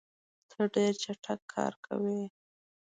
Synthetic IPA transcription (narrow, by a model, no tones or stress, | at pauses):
t̪ʰəɖeɾt͡ʃaʈʰakʰːɑ̰ɾkʰa̰wi